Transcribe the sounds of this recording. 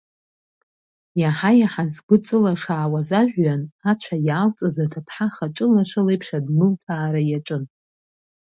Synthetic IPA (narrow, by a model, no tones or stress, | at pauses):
jaħajaħazɡʷʊt͡sʼɨlaʂaːwazaʒʷᶣːanat͡ʃʷʰajaːlt͡sʼazatʰapʰħaχaʈ͡ʂʼɨlaʂɨlejpʰʂadmɨltʰaːɾajaʈ͡ʂʷʼɨn